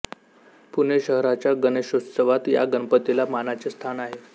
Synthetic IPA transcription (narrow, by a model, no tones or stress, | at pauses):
puneɕəɦɾat͡ɕjaɡəneɕossəʋat̪ja̰ɡənpət̪ilamanat͡sest̪ʰanaɦe